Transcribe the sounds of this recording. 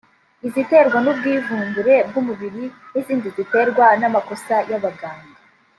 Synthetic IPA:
izite̞ɾɡwanub̚ɡiːvuːnbuɾe̞b̚ɡumuβiɾiniziːndizite̞ɾɡwanamako̞sajaβaɡaːnɡi

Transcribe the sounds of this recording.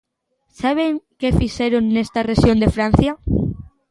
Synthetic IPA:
saβ̞eŋkefiʃeɾoŋnest̪ɐreʃjond̪efɾan̟θjɐ

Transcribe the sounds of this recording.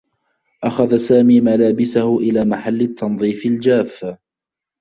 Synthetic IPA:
ʔaxaðasaːmiːmalaːbɪsahʊʔɪlaːmaħalːɪt̪ːɑnðˤiːfald͡ʒaːf

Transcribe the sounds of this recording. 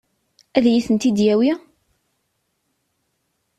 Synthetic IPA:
æðjiθənt̪id̪jæwi

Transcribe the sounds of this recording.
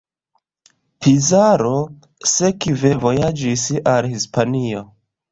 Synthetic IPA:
pizaɾo̞ | sekivevo̞jad͡ʒisalhispanio̞

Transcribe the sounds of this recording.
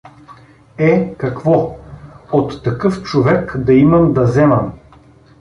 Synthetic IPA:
ɛkɐkvɔ | ot̪ːɐkɤft͡ʃovɛkd̪ɐimɐmd̪ɐzɛmɐm

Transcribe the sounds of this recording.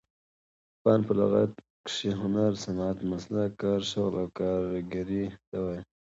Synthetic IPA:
pɑːnpəla̰ɣa̰t̪̚ | kʂiɦʊnaɾsanaːt̪maslakaɾʃoɣlawkaɾɡaɾit̪awaj

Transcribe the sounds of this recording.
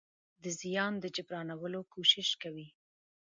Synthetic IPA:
d̪əzijɑnd̪əd͡ʒɪbɾɑnawəlokoʃɪʃkawi

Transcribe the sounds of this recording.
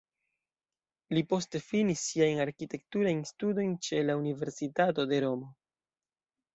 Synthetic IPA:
lipo̞ste̞finisːiajnaɾkite̞k̚tuɾajnstudo̞jnt͡ʃe̞launive̞ɾsitato̞de̞ɾo̞mo̞

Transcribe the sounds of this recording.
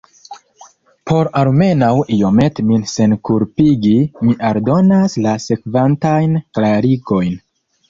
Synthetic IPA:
pʰo̞ɾalme̞nawijo̞me̞tminse̞nkuɾpiɡimiʔaɾdo̞naslase̞kvantajnklaɾiɡo̞jn

